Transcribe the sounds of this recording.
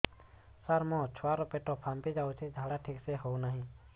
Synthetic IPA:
səɾmõːt͡ʃʰoaːɾopeːʈopʰãːmpid͡ʒaːut͡ʃʰed͡ʒʱaːɽaʈʰiːkseɦounaːɦĩː

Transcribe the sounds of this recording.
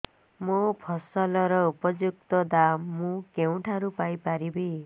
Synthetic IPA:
mopʰʌsɔlɔɾɔupɔd͡ʒuk̚t̪ɔd̪ammːũkew̃ʈʰaɾupajpaɾibi

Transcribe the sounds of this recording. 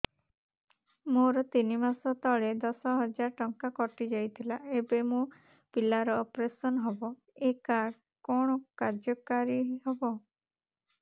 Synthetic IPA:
moɾɔt̪inimasɔt̪ɔɭed̪ɔsɔɦɔd͡ʒaɾʈɔŋkakɔʈid͡ʒajt̪ʰilaebemo | pilaɾɔːpɾesɔnɦɔbɔ | ekaɖ | kɔɽ̃ɔkaɾd͡ʒɔkaɾiɦɔbɔ

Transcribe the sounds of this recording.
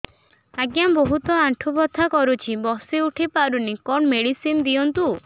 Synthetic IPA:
aɡjambɔɦut̪ɔaɳʈʰubɔt̪ʰːakɔɾut͡ʃʰibɔsiuʈʰipaɾunikɔnmeɽisind̪iɔnt̪u

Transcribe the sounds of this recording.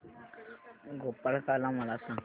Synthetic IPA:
ɡʱopəɭkalãməlasã

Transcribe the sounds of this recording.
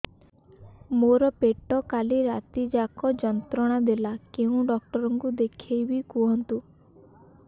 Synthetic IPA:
moɾɔpeʈɔkaliɾat̪id͡ʒakɔd͡ʒɔnt̪ɾɔɽ̃ad̪elakeũɖɔk̚ʈɔɾɔŋkud̪ekʰejbikuɦɔnt̪u

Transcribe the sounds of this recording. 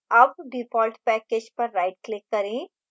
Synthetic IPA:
ɐb̚ɖɪfʰɔːlʈpɛːkeːd͡ʒpɐɾːaɪʈ̚klɪkːɐɾẽ

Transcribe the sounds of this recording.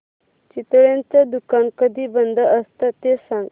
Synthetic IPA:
t͡ɕit̪ɭjãnt͡sad̪ukankəd̪ʱiːbənd̪ʱəəst̪at̪esãŋɡ

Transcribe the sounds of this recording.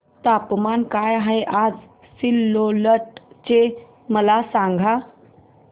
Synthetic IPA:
t̪apmankajaɦajʔad͡z | silːoləʈt͡ɕe | məlasãŋɡʱa

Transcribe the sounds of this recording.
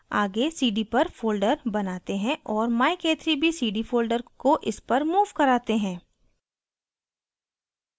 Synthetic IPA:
aːɡesiːɖipɐɾfoːlɖəɾbɐnaːt̪eɦɛ̃ʔɔːɾmaːɪkeːt̪ʰɾibʱisiːɖifoːlɖəɾkoʔɪspɐɾmuːʋkɐɾaːt̪eɦɛ̃ː

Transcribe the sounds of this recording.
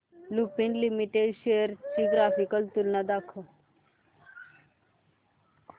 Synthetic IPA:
lupinlimiʈeɖʃejəɾt͡ʃiɡɾaːfikəlt̪ulnad̪akʰə

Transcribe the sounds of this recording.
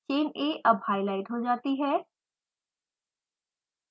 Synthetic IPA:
t͡ʃeːneːʔɐbʱhaːɪlaːɪʈɦod͡ʒaːt̪iɦɛː

